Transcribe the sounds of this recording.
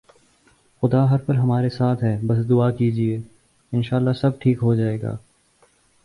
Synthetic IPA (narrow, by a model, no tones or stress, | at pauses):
xʊd̪aɦɐɾpɐlɦɐmaːɾesaːt̪ʰɦɛːbɐs̬d̪ʊakiːd͡ʒieː | ɪnʃaːlːasɐb̚ʈʰiːkɦod͡ʒaːeːɡa̰ː